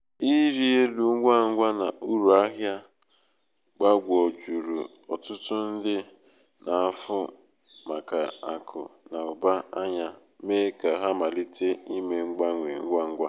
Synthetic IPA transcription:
i˦ɾi˦e˦lu˨˦ɡʷa˦˨ŋ̩˦ɡʷa˦na˨ʔu˦ɾu˨a˦ɦja˦ | ɡ͡ba˦ɡʷɔ˨d͡ʒu˨ɾṵ˨ | ɔ˨tʊ˦tʊ˦n̩˦dɪ˦ | nʔa˨a˦˨fʊ˦ | ma˨ka˨a˨kʰʊ̰˨na˨ʊ˨ba˦a˦ɲa˦ | me˦ka˨ɦa˦ma˨li˦tʰe˦i˦me˨ŋ͡m̩˦ɡ͡ba˦ŋʷe˨ŋ̩˦ɡʷa˦ŋ̩˦ɡʷa˦

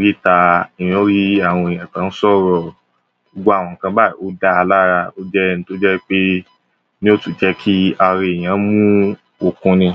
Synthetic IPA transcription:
ɾi˦˨ta˧i˨j̃o˦ɾi˦a˦˨w̃ɔ̃˧e˨j̃ã˨kã˦n̩˦sɔ˦˨ɾɔ˨ | o˨ɡ͡bo˦a˦˨w̃ɔ̃˨kã˧ba˦˨i˨o˦da˦a˧la˦ɾa˧o˦d͡ʒɛ˦˧ñ̩˦to˦d͡ʒɛ˦k͡pe˦ | nĩ˦o˦tu˨d͡ʒɛ˦kʰi˦a˧ɾi˧e˨j̃ã˨˦mũ˦ | o˧kũ˧nĩ˧

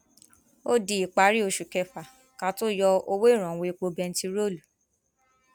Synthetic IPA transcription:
o˦di˨i˨k͡pa˨˦ɾi˦o˧˨ʃu˨kɛ˧fa˨ | kã˧˦to˦jɔ˧o˧we˦i˦˨ɾ̃ã˨˦we˧i˧k͡po˧bɛ˧n̩˦ti˧ɾo˦˨lu˨

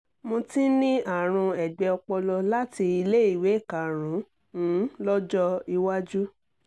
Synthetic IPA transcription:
mõ˧ti˦nĩ˦ʔa˦˨ɾ̃ũ˧ɛ˨ɡ͡bɛ˨˧ɔ˧k͡pɔ˧lɔ˧la˦ti˧i˧le˦i˦˨we˨˦˨ka˨ɾ̃ũ˨˦ | ñ̩˨˦lɔ˦d͡ʒɔ˦i˧wa˦d͡ʒu˦

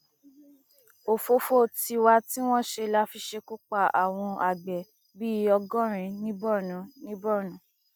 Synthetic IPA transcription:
o˨fo˧fo˦˨ti˧wa˧ti˦w̃ɔ̃˦ʃe˧la˦fi˧ʃe˧ku˦k͡pa˦˨a̰˨w̃ɔ̃˧a˨ɡ͡bɛ˨ | bi˦ɔ˧ɡɔ̃˦ɾ̃ĩ˧nĩ˦bɔ˦˨nũ˨˦nĩ˦bɔ˦˨nũ˨˦

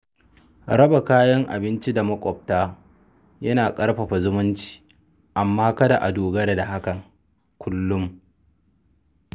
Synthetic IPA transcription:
ɾɐ˦ba˨kaː˦jɐ˦ŋʔa̰˨bɪ˦nt͡ʃi˦da˨mɐ˦kʷʼɔ˨ɸ̚taː˦ | jɐ˦naː˨kʼɐ˦ɽɸɐ˨ɸa˨zʊ˦mʊ˦nt͡ʃi̥ː˦ | ʔa˨mːaː˦kɐ˦da˨ʔa˨doː˨ɡɐ˦da˨da˨ha˦kɐ˨ŋ | kʷʊ˦lːʊ˦m

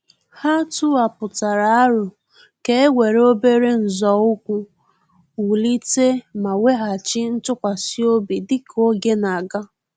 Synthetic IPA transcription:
ha˦tu˦a˨pʊ˨ta˨ɾa˨a˦ɾʊ˨ | ke˦e˦wʷe˨ɾo˦be˦ɾe˦n̩˨zɔ˨ʊ˦kʷu˦ | wu˨li˦te˦ma˨we˦ɦa˨t͡ʃɪ˦n̩˦tʊ˦kʷa˨si˦o˦bi˨dɪ˦kʰo˦ɡe˦na˨ɡa˦

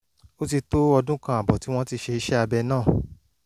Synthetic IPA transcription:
o˦ti˧to˦ɔ˧dũ˦kã˧a˨bɔ˨ti˨˦w̃ɔ̃˦ti˧ʃe˧i˧ʃɛ˦a˧bɛ˧nãː˦˨

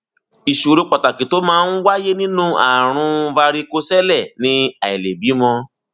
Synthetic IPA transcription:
i˨ʃu˨ɾe˨˧k͡pɔ˨ta˨kĩ˨˦to˨˦mãː˦˧˦n̩˦wa˦je˦nĩ˦nũ˦a̰˨ɾ̃ũ˧va˧ɾi˧ko˧sɛ˦lɛ˦˨nĩ˧˦a˨i˨le˨bi˨˦mɔ̃˧

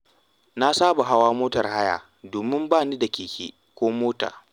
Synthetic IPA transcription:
na˦saː˦ba˨ɦa˦waː˦moː˦tɐ˨rha˦ja̰ː˨ | doː˨mɪ˦mbaː˦˨niː˦da˨kʲiː˨kʲḛː˦ | kʷoː˦moː˦ta̰ː˨

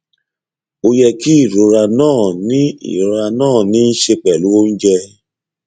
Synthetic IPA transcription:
o˧jɛ˧ki˦i˦˨ɾo˨ɾa˧nãː˦˨nĩ˦ḭ˨ɾo˨ɾa˧nãː˦˨nĩ˦n̩˦ʃe˧k͡pɛ˨lu˦o˦n̩˦d͡ʒɛ˧

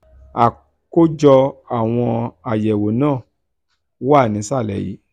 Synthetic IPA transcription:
a˨ | ko˦d͡ʒɔ˧a˨w̃ɔ̃˧a˨jɛ˨wo˨nãː˦˨ | wa˦˨nĩ˨˦sa˦˨lɛ̰˨jḭ˨˦

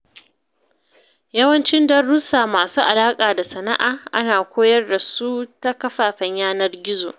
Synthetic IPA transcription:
jɐ˦wɐ˦nt͡ʃɪ˦ndɐ˦rːu˦saː˨maː˨suː˦ʔa˨laː˦kʼaː˨da˨sɐ˨na̰˦ʔaː˨ʔa˦naː˨kʷoː˦jɐ˦rda˨su˦ta˦kɐ˦ɸaː˨ɸɐ˨˦ɲjaː˦nɐ˦rɡʲɪ˦zoː˨

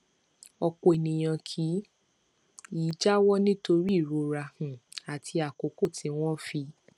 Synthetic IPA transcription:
ɔ˧k͡po˨e˨nĩ˨j̃ã˧kʰi˨˦ | iː˨˦d͡ʒa˦wɔ˦nĩ˦to˧ɾi˦˨ɾo˧˦ɾa˧hũ˨a˨tʰi˧a˨ko˨ko˦˨tʰĩ˧˦w̃ɔ̃˦fi˧

